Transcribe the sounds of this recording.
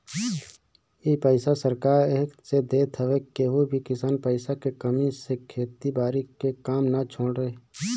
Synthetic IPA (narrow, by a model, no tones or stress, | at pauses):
iːpəɪsasəɾkaːɾeːksed̪eːt̪ʰəʋekeɦubʱikɪsaːnpəɪsakekəmisekʰeːt̪ibaːɾikekaːmnat͡ʃʰõːɽɾee